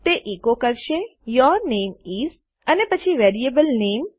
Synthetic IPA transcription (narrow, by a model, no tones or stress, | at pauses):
t̪eʔikokəɾʃejɔɾnemiz | ənepət͡ʃʰiʋeɾiebəlnem